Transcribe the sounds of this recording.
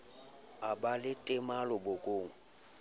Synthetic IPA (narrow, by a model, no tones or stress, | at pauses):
abalɪtʼɪmalʊbokʼoːŋ̩